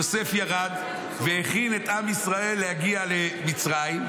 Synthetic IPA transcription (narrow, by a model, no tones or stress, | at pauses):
ose̞fjaʁad̪ | veheχine̞t̪amisʁae̞lːehaɡialemit͡sʁajim